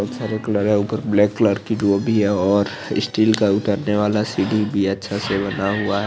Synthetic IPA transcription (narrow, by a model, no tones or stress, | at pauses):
ɔk̪saɾekləɾɦɛuːpəɾblɛːkːləɾkid͡ʒoːbʱiɦɛɔːɾ | ɪ̰sʈiːlkaʊt̪əɾneʋaːlasiːɖibʱiɐtːʃʰasebɐnaɦuaɦɛ